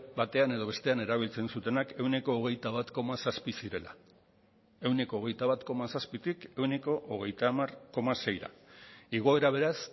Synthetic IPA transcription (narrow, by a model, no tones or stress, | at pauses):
bat̪e̞ane̞ðo̞β̞e̞st̪e̞ane̞ɾaβ̞ilt͡se̞nsut̪e̞nake̞wne̞ko̞ːɣ̞ejt̪aβ̞at̪ko̞masaspisiɾe̞la̰ | e̞wne̞ko̞ːɣ̞e̞jt̪aβat̪ko̞masaspit̪ike̞wne̞ko̞ʔːɣ̞e̞jt̪amarko̞mase̞jɾa̰iɣ̞o̞e̞ɾaβ̞e̞ɾas